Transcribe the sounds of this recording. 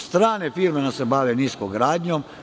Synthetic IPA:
st̪ɾaːnefiɾmenasebaʋeniskoɡɾaːd̪ɲom

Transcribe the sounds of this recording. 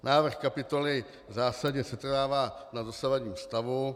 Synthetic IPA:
nʔaːvr̩xkapɪt̪o̞lɪ | zaːsaɟɲɛsɛt̪raːvaːnazasavaɟɲiːst̪avu

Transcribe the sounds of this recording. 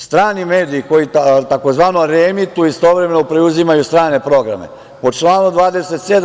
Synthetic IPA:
st̪ɾaːnime̞ːd̪iːko̞jit̪ako̞zʋaːnoɾemit̪uist̪o̞ʋɾeme̞nopɾeuzimajust̪ɾaːne̞pɾo̞ɡɾa̰me̞̰ | po̞t͡ʃlˠaːnud̪ʋaːd̪e̞se̞t̪sed̪

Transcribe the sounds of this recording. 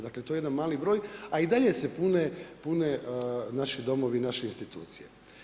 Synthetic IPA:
d̪aklet̪ojeed̪anmaːlibɾo̞ːjaid̪aʎe̞sepunepunenaʃid̪o̞mo̞ʋinaʃeinst̪it̪ṵːt̪sije̞̰

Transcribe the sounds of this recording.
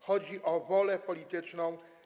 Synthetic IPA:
xɔd͡ʑiʔɔvɔlɛpɔlʲit̪ɘt͡ʂnɔ̃w̃

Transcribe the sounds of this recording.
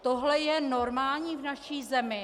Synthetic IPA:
t̪oɦlɛjɛnoɾmaːlɲiːvnaʃiːzɛmɪ

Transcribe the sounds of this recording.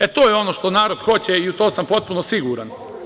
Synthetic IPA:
et̪o̞ːjeo̞no̞ʃt̪onaːɾod̪̥xo̞t͡ɕeiut̪o̞ːsampo̞t̪̚puno̞siɡuɾan

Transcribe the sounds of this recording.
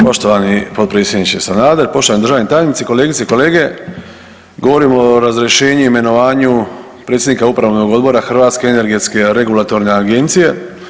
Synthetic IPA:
po̞ʃt̪oʋanipot̪pɾet̪sje̞d̪nit͡ʃesanaːd̪eɾpo̞ʃt̪o̞ʋand̪ɾʒaːʋnit̪aːjelnit̪siko̞le̞ːɡit̪seiko̞le̞ːɡe̞ | ɡo̞ʋo̞ɾimooɾazɾeʃe̞ːɲuime̞no̞ʋaːɲu | pɾet̪sjed̪nikaupɾaʋnoɡo̞d̪bo̞ɾaxr̩ʋaːt̪ske̞ene̞ɾɡe̞t̪ske̞ɾe̞ɡulˠat̪o̞ɾne̞aɡe̞nt̪sije̞

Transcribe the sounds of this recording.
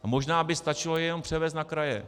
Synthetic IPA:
mo̞ʒnaːbɪst̪at͡ʃɪlojɛɛno̞mpr̥ɛvɛːs̬t̪nakɾajɛ

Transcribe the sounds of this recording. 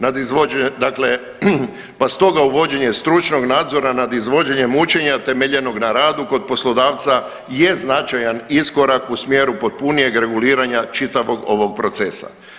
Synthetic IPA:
nad̪izʋoed̪akle̞ | past̪o̞ɡauʋo̞d͡ʒe̞ɲe̞st̪ɾut͡ʃno̞ɡnaːd̪zo̞ɾanad̪izʋo̞d͡ʒeɲe̞mut͡ʃe̞ɲat̪e̞meʎe̞no̞ɡnaɾaːd̪uko̞d̪̚po̞slo̞d̪aːʋt̪sa | je̞znat͡ʃajanisko̞ɾakusmjeːɾupo̞t̪̚punije̞ɡɾe̞ɡuliːɾaɲat͡ʃit̪aʋo̞ɡo̞̰ʋo̞ɡ̚pɾo̞t̪se̞sa̰

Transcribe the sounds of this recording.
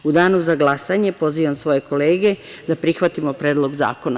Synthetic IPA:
ud̪aːnuzaɡlˠasaɲe̞po̞zʋiʋamsʋo̞je̞ko̞leːɡe̞ | d̪apɾixʋat̪imo̞pɾeːd̪lˠo̞ɡza̰ːko̞na

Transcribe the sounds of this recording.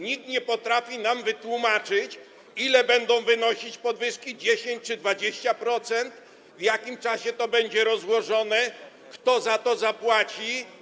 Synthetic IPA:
ɲik̚t̪ɲɛpɔt̪ɾafʲinamvɘt̪wumat͡ʂɘt͡ɕ | ilɛbɛnd̪ɔ̃w̃vɘnɔɕit͡ɕpɔd̪vɘʂkʲid͡ʑeɕeɲt͡ɕt͡ʂɘd̪vad͡ʑeɕt͡ɕapɾɔt̪sɛnt̪ | vjakʲimt͡ʂaɕɛt̪ɔbɛɲd͡ʑɛɾɔzwɔʐɔnɛ | kt̪ɔzat̪ɔzapwat͡ɕi

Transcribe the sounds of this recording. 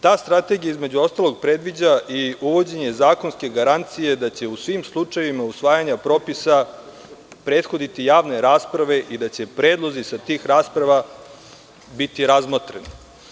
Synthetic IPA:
t̪aːst̪ɾat̪e̞ɡijaizme̞d͡ʑuo̞st̪aloɡ̚pɾe̞d̪ʋid͡ʑaʔiuʋo̞d͡ʑe̞ɲe̞zaːkonske̞ɡaɾant̪sije̞d̪at͡ɕe̞usʋimslˠut͡ʂajʋimausʋaːjaɲapɾo̞pisa | pɾe̞ːd̪xo̞d̪it̪ijaːʋneɾaːspɾaʋe̞ʔid̪at͡ɕe̞pɾe̞ːd̪lˠo̞zisat̪iːxɾaːspɾaʋa | bit̪iɾazmot̪ɾeni

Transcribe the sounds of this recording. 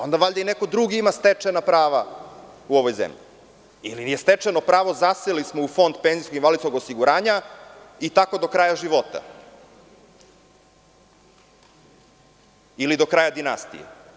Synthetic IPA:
o̞nd̪aʋaʎd̪aineko̞d̪ɾuɡiimast̪et͡ʂenapɾaːʋauo̞ʋo̞jzḛmʎi | ḭlijest̪et͡ʂeno̞pɾaːʋo̞zaselismoufo̞nd̪penziskoɡinʋalid̪sko̞ɡo̞siɡuɾaːɲait̪ako̞d̪o̞kɾaːjaʒiʋo̞t̪a̰ | ilid̪o̞kɾaːjad̪inast̪ḭjḛ

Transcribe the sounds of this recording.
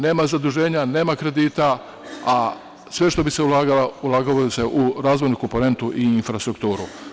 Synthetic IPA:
ne̞ːmazad̪uʒe̞ːɲane̞ːmakɾe̞d̪iːt̪a | a | sʋe̞ʃt̪o̞biseulaːɡalaulaːɡoʋajuse̞ʔuɾaːzʋo̞jnuko̞mpo̞ne̞nt̪uʔiinfɾast̪ɾuk̚t̪uːɾṵ

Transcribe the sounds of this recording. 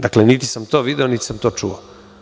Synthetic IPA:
d̪aklenit̪i̥samt̪o̞ːʋid̪eonit̪i̥samt̪o̞ːt͡ʂṵo

